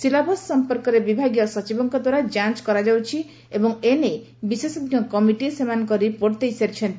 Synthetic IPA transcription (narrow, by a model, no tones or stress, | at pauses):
silabʱɔsːɔmpɔɾkɔɾebibʱaɡijɔsɔt͡ʃibɔŋkɔd̪waɾad͡ʒant͡ʃkɔɾad͡ʒawt͡ʃʰi | ebɔŋene | bisesɔd̪njɔkɔmiʈiesemankɔɾipoɾt̪ejseɾt͡ʃʰent̪